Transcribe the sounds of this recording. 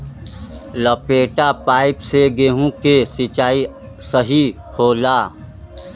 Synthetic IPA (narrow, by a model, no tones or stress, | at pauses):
ləpeːʈapaːɪpseɡeːɦũkesɪt͡ʃaːi | səɦi | hoːlaː